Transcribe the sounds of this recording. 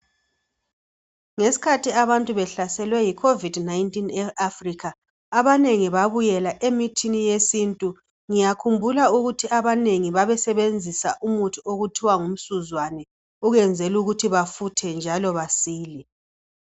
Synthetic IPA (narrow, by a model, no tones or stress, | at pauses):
ŋesi̥kʰatʰiaβantʼuβɛɬasɛlwɛjikʰovidnajntʼinɛafrikʰaː | βaneŋiβaβujɛlaʔemitʰinijesintʼu | ŋijakʰumbʱulauɣutʰiaβaneŋiβaβɛsɛβend͡zʱisaʔumutʰiʔoɣutʰiwaŋum̩suzwanɛ | uɣɛnd͡zʱɛluɣutʰiβafutʰɛnd͡ʒʱalɔβasiːli